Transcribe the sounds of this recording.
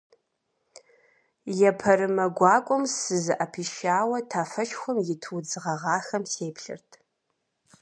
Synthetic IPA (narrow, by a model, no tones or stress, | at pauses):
jɛpʰɐɾɨmɐɡʷɑːkʷʼʊmsɨzɨʔɐpʰiːʃaːwɐtʰaːfɐʃxʷʊmjɪtʰwd͡zɨʁɐʁɑːxɐmseːpʰɬɨ̰rtʰ